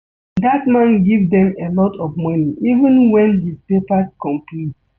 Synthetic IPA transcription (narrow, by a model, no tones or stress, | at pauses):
datmãnɡivdɛ̃melɔtʰɔvmɔniʔivə̃nwɛ̃nhizpepaskɔ̃mplit